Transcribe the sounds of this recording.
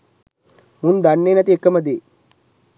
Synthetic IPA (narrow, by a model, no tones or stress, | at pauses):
mund̪anːeːnɐt̪̬iekːəməd̪eː